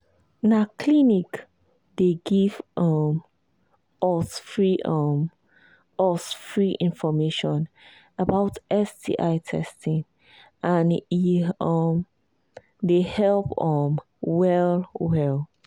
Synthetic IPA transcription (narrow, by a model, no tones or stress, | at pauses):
nakʰlinik | deɡivʔɔm | ɔsfɹiʔɔm | ɔsfɹiʔĩnfɔmeʃɔ̃n | əbaʊtʔɛsdḭʔaɪtʰɛ̰stĩŋ | ʔãniɔm | dehɛlpɔm | wɛlwɛl